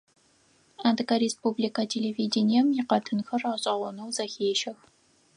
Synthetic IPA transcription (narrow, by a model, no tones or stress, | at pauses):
aːdɨkɐɾespublikɐtʰelevidinijɛmjɪqɐtʰɨnxɐraːɕʼɐʁʷɔnɐwzɐxeːʃɐx